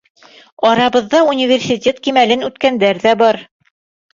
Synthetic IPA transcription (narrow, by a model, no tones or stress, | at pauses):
ɒɾɑβɤ̆ðːɑunʲivʲersʲitʲet̪kimælɘnʉt̪kænd̪æɾðæbɒɾ